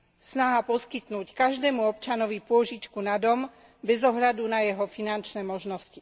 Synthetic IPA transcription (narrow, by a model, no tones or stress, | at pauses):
snaɦapɔskit̪nuːckaʒd̪ɛːmuɔpt͡ʃanɔʋipʊɔʒit͡ʃkunad̪ɔm | bɛzɔɦʎad̪unajɛɦɔfinant͡ʃnɛːmɔʒnɔsci